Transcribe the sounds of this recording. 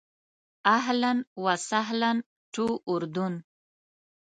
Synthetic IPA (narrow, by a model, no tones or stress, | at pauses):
aɦlanwasaɦlan | ʈuʔʊɾd̪un